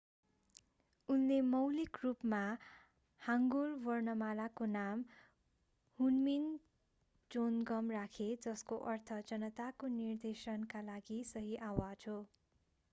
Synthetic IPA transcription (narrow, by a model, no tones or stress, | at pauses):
unlemʌwlikrupma | haŋɡolwʌrnʌmalakonam | hunmin | d͡zonɡʌmrakʰed͡zʌskoʔʌrt̪ʰʌd͡zʌnʌt̪akonird̪esʌnkalaɡisʌɦiʔawad͡zɦo